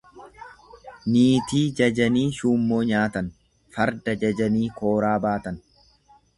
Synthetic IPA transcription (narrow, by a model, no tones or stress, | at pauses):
niːt̪iːd͡ʒɐd͡ʒɐniːʃuːmːo̞ːɲaːt̪ɐn | fɐɾd̪ɐd͡ʒɐd͡ʒɐniːko̞ːɾaːbaːt̪ɐn